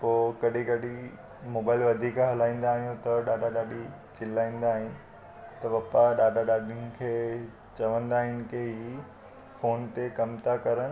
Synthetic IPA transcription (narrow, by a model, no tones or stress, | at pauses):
poːkɐɗikɐɗi | moːbaːɪlʋɐd̪ʱiːkɦɐlaːĩːn̆d̪aːɦijũt̪ɐɗaːɗaɗaːɗi | t͡ɕɪlaːĩːn̆d̪aːɦɪnɪ̆ | t̪ɐʋɐpaɗaːɗaɗaːɗiʊnɪ̆kʰeː | t͡ɕɐʋə̃nd̪aːɦɪnɪ̆keɦi | foːnt̪ekɐmt̪akɐɾənɪ̆